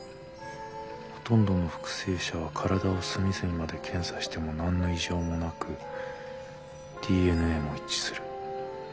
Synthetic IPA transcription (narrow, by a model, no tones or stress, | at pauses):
ho̞̥t̪õ̞nd̪o̞no̞ɸɯ̥kɯ̟̥se̞ːɕaβ̞akʰaɾad̪ao̞sɨmʲizɨɲ̟imad̪e̞kʰẽ̞ɰ̃saɕi̥t̪e̞mo̞nãnːo̞iʑo̞ːmo̞nakɯ̟ | d̪̥ʲiːe̞nɯ̟e̞ːmo̞it͡ɕi̥sɨɾɯ̟